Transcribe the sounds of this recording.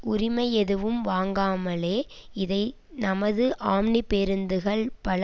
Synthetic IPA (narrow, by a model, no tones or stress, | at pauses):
ʊɾɪmɐɪɛðɯʋɯmʋaːŋɡaːmɐleːɪðɐɪ | nɐmɐðɯʔaːmnipeɾɯnd̪ɯɣɐɭpɐɭ